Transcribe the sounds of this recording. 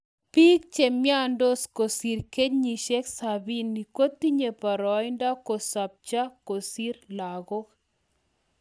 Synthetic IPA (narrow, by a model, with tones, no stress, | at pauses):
pi˦k̚t͡ʃe˨mja˦ndo˦sko˨si˨ɾke˦ɲi˨ʃe˦ksabi˦nːi˨ko˦t̪i˦ɲe˨pa˨ɾɔ˨jnda˦ko˨sa˨p̚t͡ʃa˦ko˨si˦ɾla˨ɡo˦k